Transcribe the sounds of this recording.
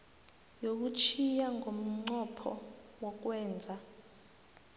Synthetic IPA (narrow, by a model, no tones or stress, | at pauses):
jok̬ut͡ʃʰijaŋʱom̩ŋ͡ǀɔpʰɔ̰wɔk̬wɛːnd͡zʱa